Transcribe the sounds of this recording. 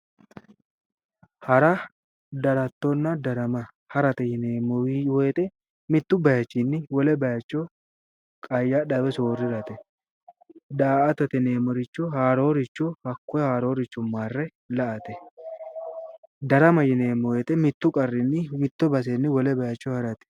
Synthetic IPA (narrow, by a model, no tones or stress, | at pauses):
hɐɾɐ | d̪ɐɾɐt̪ːɔnːɐd̪ɐɾɐmɐ | hɐɾɐt̪ɛjɪneːmɔwɔjɛt̪ɛ | mɪt̪ːʊbɐjɐt͡ʃːinːɪwɔlɛbɐjɐt͡ʃːɔ | kʼɐjːaɗɐbɛsoːrːɪɾɐt̪ɛ | d̪aːɐt̪ɐt̪ɛneːmɔɾɪt͡ʃːɔɦaːɾo̞ːɾɪt͡ʃːɔhɐkːɔjhaːɾo̞ːɾɪt͡ʃːʊmːaːrːɛ | lɐʔɐt̪ɛ | d̪ɐɾɐmɐjɪneːmːɔwɛt̪ɛmɪt̪ːʊkʼɐrːɪnːɪmɪt̪ːɔbɐs̬enːɪwɔlɛbɐjɐt͡ʃːɔhɐɾɐt̪ɛ̥